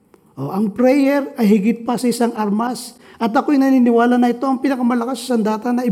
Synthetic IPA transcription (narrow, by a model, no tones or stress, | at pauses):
ʔo̞ʔɐŋpɾɛjɛɾɐjɦɪɡɪt̪̚pɐsɐɪsaŋʔaɾmasʔɐt̪ɐko̞ɪjnɐniːnɪwaːlɐnɐʔɪt̪o̞ʔɐŋpinɐkɐmɐlɐkasːɐsɐnd̪aːt̪ɐnɐɪ